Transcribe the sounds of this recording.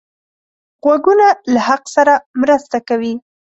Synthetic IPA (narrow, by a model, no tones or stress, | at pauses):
ɣwaɡunalahaqsaɾamɾəst̪akawi